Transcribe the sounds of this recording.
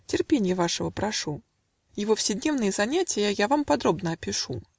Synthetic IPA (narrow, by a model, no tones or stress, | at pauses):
tʲɪrpʲenʲɪjəvaʂəvəpɾaʂu | jɪvofsʲɪdʲnʲevnɨjəzanʲatʲɪjəjavampad̪ɾobnəɐpʲɪʂu